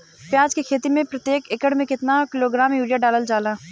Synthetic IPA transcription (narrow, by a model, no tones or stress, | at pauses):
pjaːd͡ʒkekʰeːt̪imẽpɾɐt̪jeːkɪkəɽmẽkɪt̪nakɪloːɡɾaːmjuːɾijaɖaːləld͡ʒaːlaː